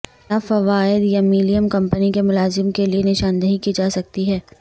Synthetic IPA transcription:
aːfɐʋaːɪd̪jamiːlijəmkɐ̃mpənikemʊlaːzɪmkelienɪʃaːnd̪əɦikid͡ʒaːsɐk̚t̪iɦɛː

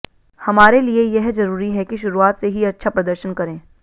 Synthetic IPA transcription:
hɐmaːɾeliejɛɦzɐɾuːɾiɦɛkiʃʊɾuaːt̪seɦiɐtːʃʰapɾɐd̪əɾʃənkɐɾẽː

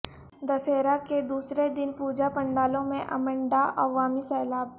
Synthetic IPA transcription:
d̪ɐseːɾaked̪uːsɾed̪ɪnpuːd͡ʒapɐ̃ɳɖaːlõmẽʔɐ̰mə̃ɳɖaʔɐʋaːmisɛːlaːb

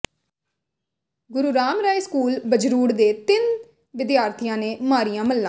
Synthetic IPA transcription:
ɡʊɾuːɾaːmɾaːiskuːlbəd͡ʒɾuːɽd̪eːt̪ɪn | ʋɪd̪jaːɾt̪ʰijãːneːmaːɾɪjãːməlːãː

